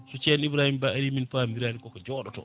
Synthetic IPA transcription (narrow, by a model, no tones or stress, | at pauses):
sut͡ʃɛnibɾaːhimbaaɾiminfamiɾaːnikɔkɔd͡ʒɔːɗɔtɔ̰